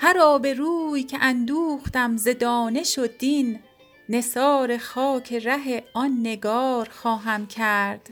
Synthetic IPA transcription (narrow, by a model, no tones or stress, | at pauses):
hæɾɒːbe̞ɾuːjcʰeʔænd̪uːxt̪æmze̞d̪ɒːne̞ʃod̪iːnː | e̞sɒːɾe̞xɒːcʰeɾæɦe̞ɒnːe̞ɡɒːɾxɒːɦæmcʰæɾd̪̥